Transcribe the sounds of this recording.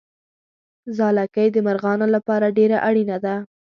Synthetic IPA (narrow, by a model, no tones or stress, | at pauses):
zɑlakəjd̪əmaɾɣɑnolapɑɾaɖeɾaʔaɽinad̪a